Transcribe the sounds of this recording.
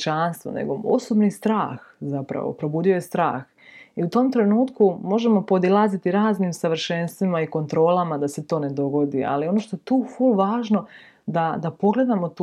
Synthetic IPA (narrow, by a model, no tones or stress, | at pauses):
t͡ʃanst̪ʋo̰nḛɡoo̰sobnist̪ɾaːxzapɾa̰ʋo̰pɾo̞buːd̪io̞jest̪ɾa̰ːx | iut̪o̞ːmt̪ɾe̞nuːt̪kumo̞ʒe̞mo̞po̞d̪ilˠaːzit̪iɾaːzniːmsaʋr̩ʃenst̪ʋimaiko̞nt̪ɾo̞ːlamad̪ase̞t̪o̞ːne̞d̪o̞ɡo̞d̪ia̰lio̞no̞ːʃt̪ojet̪uːfulʋaːʒno̞ | d̪ad̪apo̞ɡle̞d̪amo̞t̪ː